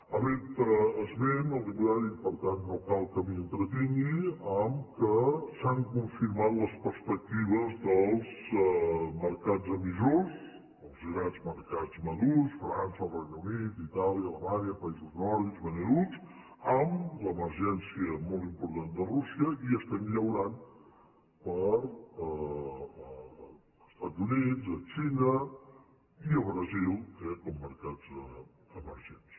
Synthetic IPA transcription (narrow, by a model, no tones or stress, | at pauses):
əβent̪əːzβenəlˠriβulaɾipəɾt̪anːokalˠkəmiənt̪ɾət̪iŋɡiəmkəsaŋkuɱfiɾmat̪ləspəɾspək̚t̪iβ̞əzðəlˠz | məɾkad͡zəmizos | əlˠzɣɾazməɾkad͡zməðusfɾansərenəwnit̪it̪aljəːləmanjəpəizuznɔɾðizβənəɾut͡s | əmləməɾʒɛnsiəmɔlˠt̪impuɾt̪and̪ərusiəiəst̪ɛmʎəwɾan | pəɾə | st̪ad͡zunizət͡ʃinə | iəβɾəzilˠɛkɔmːəɾkad͡z | əməɾʒens